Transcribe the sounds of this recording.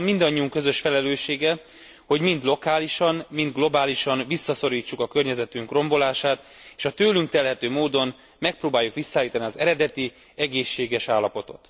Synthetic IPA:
mːind̪ɒɲːiuŋkø̞zø̞ʃfɛlɛløːʃeːɡɛ | ho̞ɟmind̪lo̞kaːliʃɒnmind̪̚ɡlo̞baːliʃɒnvisːɒso̞ɾiːt͡ʃːukɒkø̞rɲɛzɛt̪yŋkro̞mbo̞laːʃaːt̪ | eːʃɒt̪øːlyŋkt̪ɛlɦɛt̪øːmoːd̪o̞m | mɛk̚proːbaːjːukʋisːaːjiːt̪ɒniɒzɛɾɛd̪ɛt̪i | ɛɡeːʃːeːɡɛʃaːlːɒpo̞t̪o̰t̪

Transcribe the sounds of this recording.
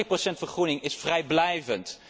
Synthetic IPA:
əprosɛntfəχrunɪŋɪsfrɛjblɛjvənt

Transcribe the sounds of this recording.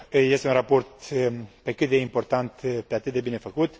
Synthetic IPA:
je̞st̪eunrapo̞rt̪pe̞kɨt̪̚d̪e̞impo̞rt̪ant̪peat̪ɨt̪̚d̪ebine̞fəkut̪

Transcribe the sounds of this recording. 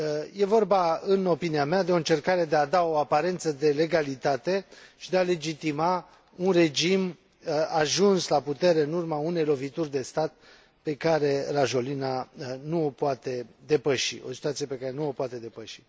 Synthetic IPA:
je̞vo̞rbaɨno̞piniamead̪e̞o̞ɨnt͡ʃe̞rkaɾe̞d̪e̞ad̪ao̞apaɾe̞nt̪səd̪e̞le̞ɡalit̪at̪e̞ʃid̪e̞ale̞d͡ʒit̪ima | unre̞d͡ʒim | aʒunslaput̪e̞ɾe̞ɨnurmaune̞jlo̞vit̪urʲd̪e̞st̪at̪̚ | pe̞kaɾe̞raʒo̞linanuopoat̪e̞d̪e̞pəʃiʔo̞̰si̥t̪uat̪sije̞pe̞kaɾe̞nuopoat̪e̞d̪e̞pəʃi̥

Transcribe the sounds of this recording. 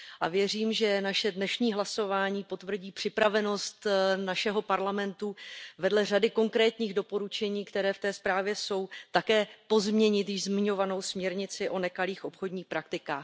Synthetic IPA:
ʔavjɛr̝iːmʒɛnaʃɛdnɛʃɲiːɦlaso̞vaːɲiːpo̞t̪vr̩ɟiːpr̥ɪpɾavɛno̞st̪naʃɛɦo̞paɾlamɛnt̪uvɛdlɛr̝adɪko̞ŋkɾɛːt̪ɲiːɣdo̞po̞ɾut͡ʃɛɲiːkt̪ɛɾɛːft̪ɛːspɾaːvjɛso̞wt̪akɛːpo̞zmɲɛɲɪt̪jɪʒzmɪɲo̞vano̞wsmɲɛɾɲɪt͡sɪʔo̞nɛkaliːxʔo̞pxo̞dɲiːxpɾak̚t̪ɪkaːx

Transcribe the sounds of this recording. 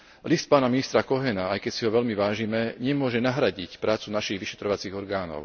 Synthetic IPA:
list̪̚paːnaminist̪ɾakɔɦɛnaajkɛcsiɦɔʋɛʎmiʋaːʒimɛɲɛmʊɔʒɛnaɦɾaɟicpɾʔaːt͡sunaʃiɣʋiʃɛ̥t̪ɾɔʋat͡siːɣɔɾɡaːnɔ̰ʊ

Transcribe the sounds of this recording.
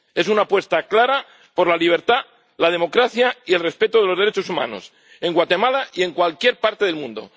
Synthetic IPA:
e̞s̬unapwe̞st̪aklaɾa | po̞ɾlaliβ̞eɾt̪a | lað̞e̞mo̞kɾaθjaielre̞spe̞t̪oð̞elo̞zðɾet͡ʃosumã̰no̞̰s | e̞ŋɡwat̪e̞malaie̞ŋkwalkje̞ɾpaɾt̪eð̞elmũnd̪o̞̰

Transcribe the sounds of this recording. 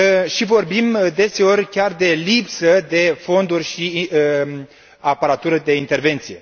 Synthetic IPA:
ʃivo̞rbimd̪e̞se̞o̞rʲkʲard̪e̞lipsəd̪e̞fo̞nd̪urʲʃi | apaɾat̪uɾəd̪e̞int̪erve̞nt̪sije̞̰

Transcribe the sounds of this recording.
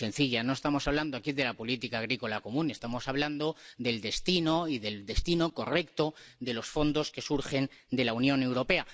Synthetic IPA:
e̞nθiʎano̞est̪amo̞saβ̞land̪oakiðe̞lapo̞lit̪ikaːɣ̞ɾiko̞lako̞mũne̞st̪amo̞saβ̞land̪o̞ðe̞ld̪e̞st̪ino̞iðe̞ld̪e̞st̪ino̞ko̞re̞kt̪o̞ðe̞lo̞sfo̞nd̪o̞ske̞suɾxe̞nd̪e̞launjõ̞ne̞wɾo̞pe̞a

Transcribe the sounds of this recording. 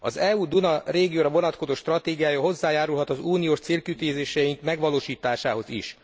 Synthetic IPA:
ɒzɛuːd̪unɒreːɡijoːɾɒvo̞nɒt̪ko̞zoːʃt̪rɒt̪eːɡijaːjɒɦo̞zːaːjaːɾulɦɒt̪ɒzuːnijoːʃt̪seːlkyt̪iːzeːʃɛjiŋkmɛɡʋɒloːʃiːt̪aːʃaːɦo̞zḭʃ

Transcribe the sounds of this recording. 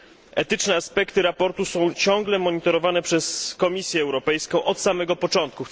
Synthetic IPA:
ɛt̪ɘt͡ʂnɛaspɛkt̪ɘɾapɔɾt̪usɔ̃w̃t͡ɕɔ̃ŋɡlɛmɔɲit̪ɔɾɔvanɛpʂɛskɔmʲisʲjɛːwɾɔpɛjskɔ̃w̃ʔɔt̪samɛɡɔpɔt͡ʂɔnt̪̚ku

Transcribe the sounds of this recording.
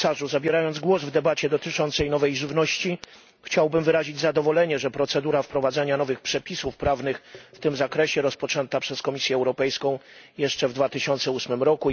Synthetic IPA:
saʐuzabʲjɛɾajɔnd̪zɡwɔzvd̪ɛbat͡ɕɛd̪ɔt̪ɘt͡ʂɔnt̪sɛjnɔvɛjʐɘvnɔɕt͡ɕi | xt͡ɕawbɘmvɘɾaʑid͡ʑzad̪ɔvɔlɛɲɛʐɛpɾɔt̪sɛd̪uɾafpɾɔvad̪zɛɲanɔvɘxpʂɛpʲisufpɾavnɘxft̪ɘmzakɾɛɕɛɾɔspɔt͡ʂɛnt̪apʂɛskɔmʲisʲjɛːwɾɔpɛjskɔ̃w̃jɛʂt͡ʂɛvd̪vat̪ɘɕɔnt̪sɛusmɘmɾɔku

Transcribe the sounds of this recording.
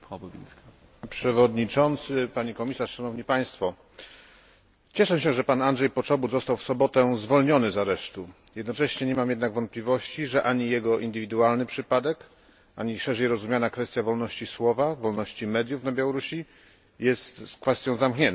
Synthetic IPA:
ɔbɔvʲḭska | pʂɛvɔd̪ɲit͡ʂɔnt̪sɘpaɲikɔmʲisaʂʂanɔvɲipaj̃st̪fɔ | t͡ɕɛʂɛɕɛʐɛpanandʐɛjpɔt͡ʂɔbuzɔst̪awfsɔbɔt̪ɛzvɔlɲɔnɘzaɾɛʂt̪u | jɛd̪nɔt͡ʂɛɕɲɛɲɛmamjɛd̪naɡvɔnt̪plʲivɔɕt͡ɕiʐɛʔaɲijɛɡɔʔind̪ɘvʲid̪ualnɘpʂɘpad̪ɛk | aɲiʂɛʐɛjɾɔzumjanakfɛst̪ʲjavɔlnɔɕt͡ɕiswɔvavɔlnɔɕt͡ɕimɛd̪jufnabʲjawɔɾuɕi | jɛst̪skfɛst̪jɔ̃w̃zamkɲɛn

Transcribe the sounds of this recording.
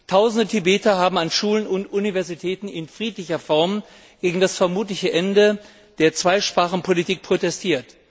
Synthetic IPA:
tʰaʊzn̩dətʰibeːtɐɦaːbm̩anʃuːlənʊntʔunivɛɐzitʰɛːtn̩ɪnfʁ̥iːtlɪçɐfɔɐm | ɡ̥eːɡŋ̩dasfɛɐmuːtlɪçəʔɛndə | d̥eːɐt͡sv̥aɪʃpʁ̥aːχn̩pʰolitʰiːk̚pʰʁ̥otɛstʰiːɐt

